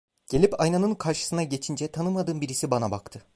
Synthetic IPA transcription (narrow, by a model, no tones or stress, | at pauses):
ɟ̥e̞lʲipajnanɯnkʰaɾʃɯ̥sɯnaɟe̞t͡ʃʰind͡ʒɛt̪ʰanɯmad̪ɯːmbiɾisibanabakt̪ʰɯ